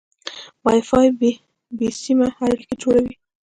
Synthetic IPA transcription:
wajfɑjb | besimaaɽiked͡ʒoɽawi

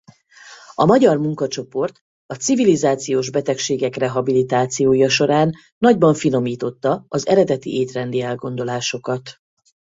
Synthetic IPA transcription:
ɒmɒɟɒrmuŋkɒt͡ʃo̞po̞rt̪ | ɒt̪sivilizaːt̪sijoːʒbɛt̪ɛkʃeːɡɛkrɛɦɒbilit̪aːt̪sijoːjɒʃo̞ɾaːnː | ɒɟbɒɱfino̞miːt̪o̞t̪ːɒɒzɛ̰ɾɛd̪ɛt̪ḭʔeːt̪rɛnd̪iɛlɡo̞n̪d̪o̞laːʃo̞kɒt̪

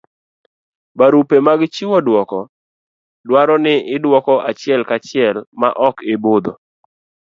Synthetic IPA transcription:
baɾupemaɡt͡ʃiwɔdwɔkɔ | dwaɾɔnɪɪdwɔkɔʔat͡ʃɪɛlkat͡ʃɪɛlma̰ʔɔkebod̪ɔ

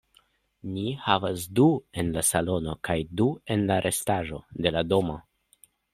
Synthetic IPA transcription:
nihavasdue̞nlasalo̞no̞kajdue̞nlaɾʔe̞staʒo̞̰de̞lado̞mo

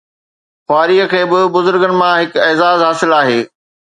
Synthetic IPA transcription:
xwaːɾiːəkʰeːbɪbʊzʊɾɡənɪ̆mãɦɪkɛːzaːzɦaːsɪlaːɦeː

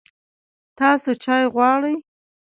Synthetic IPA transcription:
t̪ɑsot͡ʃɑjɣwɑɽəj

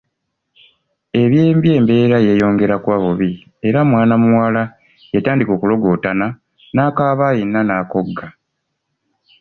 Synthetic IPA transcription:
e̞βje̞ːmbje̞ːmbe̞ːɾaje̞jo̞ːŋɡe̞ɾakwaːβuβi | eɾamwaːnamuwala | jetaːndiko̞ːkulo̞ɡo̞ːtana | naːkaːβaːjinːanaːko̞ɡːa

